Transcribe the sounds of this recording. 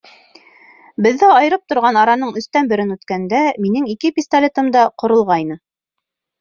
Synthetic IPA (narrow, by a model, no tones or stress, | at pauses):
bɘ̆ðːæɑjɤ̆ɾɤp̚t̪ŏɾʁɑnɑɾɑnɤɴɵ̆st̪ænbɘ̆ɾɘnʉt̪kænd̪æminɘŋikɘpʲist̪ɐlʲet̪ɤ̆md̪ɑqŏɾŏlˠʁɑjnɤ